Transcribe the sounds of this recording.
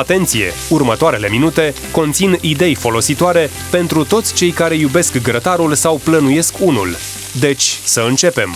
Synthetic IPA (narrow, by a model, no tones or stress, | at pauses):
at̪e̞nt̪sije̞̰urmət̪oaɾe̞le̞minut̪e̞ | ko̞nt̪sinid̪e̞jfo̞lo̞sit̪oaɾe̞ | pe̞nt̪ɾut̪o̞t̪sʲt͡ʃe̞jkaɾe̞jube̞skɡɾət̪aɾulsawplənuje̞skunṵl | d̪e̞t͡ʃʲsəɨnt͡ʃe̞pe̞m